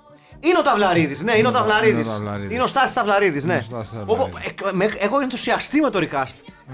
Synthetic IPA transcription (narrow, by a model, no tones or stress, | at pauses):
ineo̞t̪ɐvlɐɾiðisne̞ineot̪ɐvlɐɾiisineo̞st̪ɐθist̪ɐvlɐɾiðisne̞opmexeɣoenθu̥siɐst̪ime̞t̪o̞ɾikɐst̪